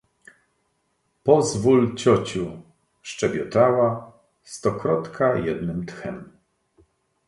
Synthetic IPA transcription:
pɔzvult͡ɕɔt͡ɕu | ʂt͡ʂɛbʲjɔt̪awa | st̪ɔkɾɔt̪kʰajɛd̪nɘmt̪xɛm

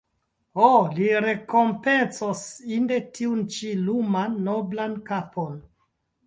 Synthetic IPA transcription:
oliɾe̞ko̞mpe̞nsosinde̞tʰiunt͡ʃilumanːoblankapʰon

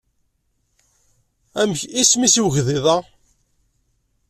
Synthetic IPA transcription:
æmçismisiwʝðiðˤɑ

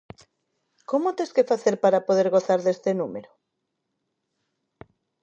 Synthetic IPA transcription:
komot̪eskefaθeɾpaɾapoðeɾɣoθaɾðest̪enumeɾo

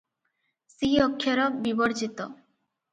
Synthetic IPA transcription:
siɔkʰːjɔɾɔbibɔɾd͡ʒit̪ɔ

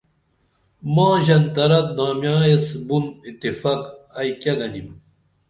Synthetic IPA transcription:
mãːʑɐnt̪ɐɾɐt̪̚d̪aːmjaːjesbunit̪ːifɐkɐjkjɐɡɐnim

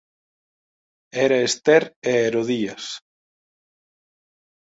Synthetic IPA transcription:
ɛɾɐest̪ɛɾeeɾoðiɐs

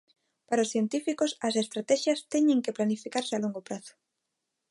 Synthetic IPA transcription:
paɾaosθjent̪ifikosɐs̬est̪ɾat̪ɛʃjɐst̪ɛɲẽŋkeplanifikaɾsealoŋɡopɾaθo̥

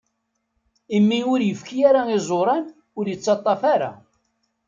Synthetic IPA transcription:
imːiʊɾjəfkijaɾaɪzˤoɾˤɑn | ʊɾjət͡sːɑt̪ˤːɑfaɾa̰

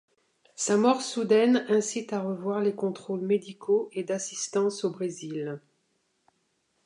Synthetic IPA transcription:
samɔʁsud̪ɛnɛ̃sit̪aʁəvwaʁlekɔ̃t̪χolmed̪ikʰoed̪asi̥st̪ɑ̃sobʁezil

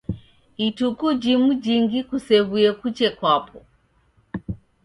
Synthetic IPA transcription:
itukud͡ʒimud͡ʒiŋɡikusɛβujɛkut͡ʃɛkwapʰɔ

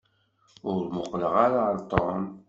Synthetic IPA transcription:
ʊɾɾmʊqːləʁaɾaɾˤt̪ˤɔn

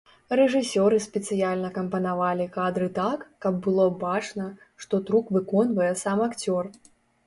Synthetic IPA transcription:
rɛʐɨsʲɔɾɨspʲɛt̪sɨjalʲnɐkɐmpɐnavalʲikad̪ɾɨt̪akːɐb̚ːɨlˠɔbat͡ʂnɐ | ʂt̪ɔt̪ɾukvɨkɔnvɐjɛsamakt͡sʲɔr

